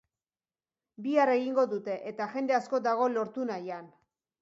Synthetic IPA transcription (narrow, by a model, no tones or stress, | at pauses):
biare̞ɣiŋɡo̞ðut̪e̞ʔet̪aʝe̞nd̪e̞asko̞d̪aɣ̞o̞lo̞ɾt̪unajan